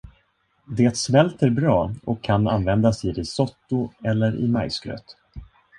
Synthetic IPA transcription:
d̪eːt̪smɛlt̪æɾbɾɑːɔkʰːananvɛnd̪asɪd̪ɛsɔt̪ːʊɛlːəɾʔɪ̰majsɡɾø̰ːt̪

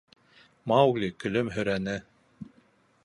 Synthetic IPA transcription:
mɑwɣlʲikɵ̆lɵmɦɵ̆ɾænɘ

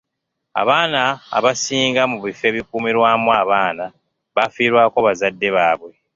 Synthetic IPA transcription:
a̰βaːna̰ːβasiːŋɡamuβife̞βikuːmiɾwaːmwaːβaːna | βafiːɾwaːkoβazadːe̞βaːβwe̞

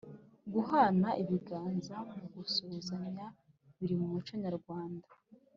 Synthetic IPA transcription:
ɡuhanaʔiβiɡaːnzamuɡusozaɲa | βiɾimumut͡ʃo̞ɲaɾɡwaːnda

